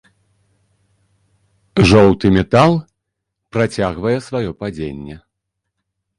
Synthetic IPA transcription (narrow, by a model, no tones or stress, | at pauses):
ʐɔwt̪ɨmʲɛt̪alˠ | pɾat͡sʲaɣvɐjɛsvajɔpad͡zʲenʲːɛ